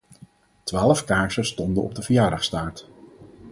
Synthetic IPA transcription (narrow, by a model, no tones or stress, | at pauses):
tʋaːləfkaːɹsəstɔndənɔ̰b̚dəvəjaːdɑχstaːɹt